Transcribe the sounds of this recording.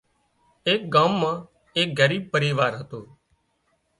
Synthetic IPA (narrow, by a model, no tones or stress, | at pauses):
eːk̚ɡaːmːãː | eːk̚ɡəɾiːb̚pəɾiːʋaːɾɦət̪oː